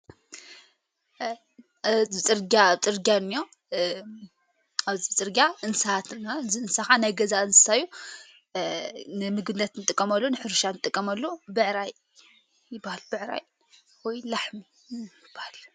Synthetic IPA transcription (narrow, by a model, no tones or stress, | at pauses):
ɨt͡sʼɨɾɡat͡sʼɨɾɡʲanːijo̞ | aβzibɨt͡sʼɨɾɡʲaʔɨnsat̪naɨziɨnsaxanajɡɐzaɨnsɨ̥saju | nɨmɨɡɨnɐt̪nɨt̪ʼɨkʼːɐmɐlːonɨħɨɾʃanɨt̪ʼɨkʼːɐmɐlːobɨʕɾaj | jɪbːahalbɨʕɾa̰j | wɔjlaħmi | jɪbahal